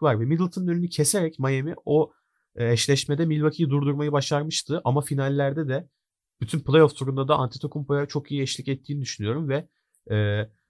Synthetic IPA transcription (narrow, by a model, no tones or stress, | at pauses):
vaɾvɛmid̪lˠt̪ʰɯnɯnønynycʰeseɾɛcmajemḭo̞ | ɛʃlʲɛʃmed̪ɛmilʲvacʰijid̪uɾd̪uɾmajɯbaʃaɾmɯʃt̪ʰɯʔamafinalʲːæɾd̪ɛd̪ɛ | b̥yt̪ʰynplˠejofsuɾund̪ad̪aant̪ʰi̥t̪ʰo̞kʰumpojat͡ʃʰo̞kijiɛʃlʲicɛt̪ʰːiːnid̪yʃynyjo̞ɾumvɛ | ɛː